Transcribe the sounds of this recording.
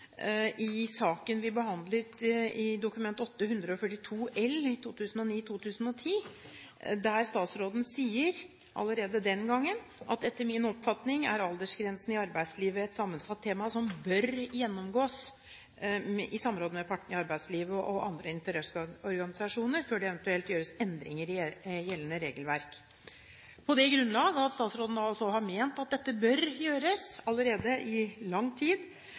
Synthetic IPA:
ʔɪsɑːkənʋɪbəhɑnd̪lət̪ɪd̪ʊkʉmɛnt̪ɔt̪ːəhʉnd̪ɾəɔfœʈːɪt̪ʰuːʔɛlɪt̪ʰuːt̪ʰʉːsn̩ɔniːt̪ʰuːt̪ʰʉːsn̩ɔt̪ʰiː | d̪æɾst̪ɑːt̪sɾoːd̪n̩siːəɾ | ʔɑ̰lːəɾeːd̪əd̪ɛnɡɑŋːənʔɑt̪ɛt̪ːəɾmɪnɔpfɑt̪nɪŋæ̰ɾɑld̪əʂɡɾɛnsn̩ɪɑɾbæɪd̪sliːʋəɛt̪sɑmːənsɑt̪ʰːeːmɑsɔmbœɾjɛnːɔmɡoːs | ɪsɑmːɾoːd̪əmɛpʰɑʈːɳ̩ɪɑɾbæɪd̪sliːʋəʔɔʔɑ̰nd̪ɾəɪnt̪əɾɛsɔɾɡɑnɪsɑʂuːnəɾføːɖɛɛʋɛnt̪ʉɛlt̪jøːɾəsɛnd̪ɾɪ̰ŋəɾɪjɛlːənəɾeːɡəlʋæɾk | pʰɔd̪ɛɡɾʉnlɑːɡəɑt̪st̪ɑːt̪sɾoːd̪ənɑlsɔhɑɾmeːnt̪ɑt̪̚d̪ɛt̪ːəbœɾjøːɾəsɑlːəɾeːd̪əʔɪlɑŋːt̪ʰiːd̪

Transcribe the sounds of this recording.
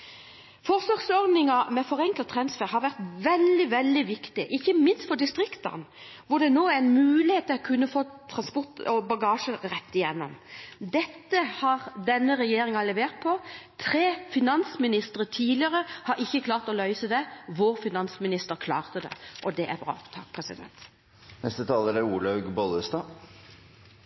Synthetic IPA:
fɔʁsɔɡsɔɾd̪nɪŋɑmɛfɔʁɛŋklɑt̪ʰɾɑnsfæːʁhɑɾʋæʁt̪ʋɛld̪ɪʋɛld̪ɪʋɪkt̪ɪʔɪçːəmɪnst̪fɔd̪ɪst̪ʁɪkt̪ɑ̰n | ʋʊʁd̪ɛnoːæɾɪnmʉːlɪheːt̪ʰːɪlɔkʰʉnːəfoːt̪ʰʁɑnspʊʁt̪ɔbɑɡɑːʂəɾɛt̪ːɪjɛnːɔ̰md̪ɛt̪ːəhɑʁd̪ɛnːəɾɛjeːɾɪŋɑlɛʋeːʁt̪̚pʰɔt̪ʰɾeːfɪnɑnsmɪnɪst̪əɾət̪ʰiːd̪lɪəʁəhɑɾɪçːəkʰlɑːʁt̪ɔlœʏsəd̪ɛʋoɾfɪnɑnsmɪnɪst̪əɾkʰlɑ̰ːʁt̪əd̪ɛ̰ʔɔd̪ɛʔæbʁɑ̰ːt̪ʰɑk̚ːpʰʁɛsɪd̪ɛ̰nt̪ | nɛst̪ət̪ʰɑːləɾæɾuːɭɑɡbɔləst̪ɑː

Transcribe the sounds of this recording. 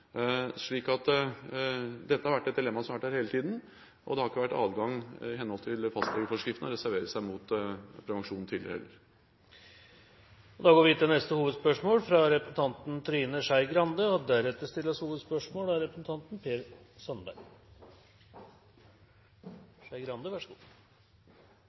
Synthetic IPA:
ʂɭiːkɑt̪ | d̪ɛt̪ːəhɑɾʋæʈːɛt̪̚d̪ɪlɛmːɑsɔmʋæʈdæːɾheːlət̪ʰiːd̪n̩ | ʔɔ̰d̪ɛhɑɾɪkːəʋæʈːɑ̰ːd̪ɡɑŋɪhɛnhɔlt̪ʰɪlfɑst̪lɛɡəɾfɔʂkɾɪft̪nəɔɾɛsæɾʋeːɾəsæɪmʊt̪pʰɾɛʋɑŋʂuːnn̩t̪ʰɪlɪɾəhɛ̰lːəɾ | ɔd̪ɑːɡoːʋɪt̪ːɪlnɛst̪əhuːʋəd̪spœʂmoːlfɾɑɾɛpɾəsn̩t̪ʰɑnt̪nt̪ʰɾiːnəʂæɪɡɾɑnd̪əɔd̪æɾɛt̪ːəʂt̪ɪlːəshuːʋəd̪spœʂmoːlæɾɛpɾəsn̩t̪ʰɑnt̪npʰeːɾ | sɔnbæ̰ɾɡ | ʂæɪɡɾɑnd̪əʋæʂəɡuː

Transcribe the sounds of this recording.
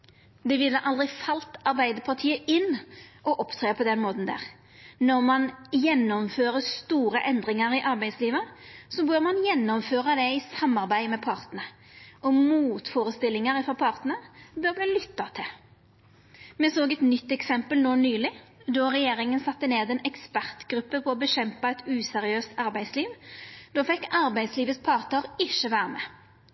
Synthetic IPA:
d̪ɛʋɪlːəʔɑld̪ʁɪfɑlt̪ɑɾbæɪd̪əpʰɑʁt̪ʰiːəɪnːʔɔʔɔpt̪ʰʁeːpʰɔd̪ɛnmoːt̪n̩d̪æ̰ːʁ | nɔʁmɑnjɛnːɔmføːɾəst̪uːɾəʔɛnd̪ʁɪŋɑɾɪʔɑɾbæɪd̪sliːʋəsɔbøʁmɑnjɛnːɔmføːʁɑd̪ɛɪsɑmːɑʁbæɪmɛpʰɑʁt̪nə | ʔɔmuːt̪foːɾəst̪ɪlːɪŋəʁɪfɔpʰɑʁt̪n̩əbœːʁbliːlʏt̪ːɑt̪ʰɪl | mɛsoːɡɛt̪nʏt̪ːɛksɛmpəlnoːnyːlɪd̪ɔʁɛjeːɾɪŋənsɑt̪ːəneːd̪ɛnɛkspæʁt̪ɡɾʉpːəpʰɔːbəɕɛmpɑɛt̪ʉːsɛʁɪøːst̪ɑɾbæɪd̪sliːʋd̪ɔːfɛkːɑɾbæɪsliːʋəspʰɑʁt̪əɾɪʃːəʋæːɾəmɛ̰ː

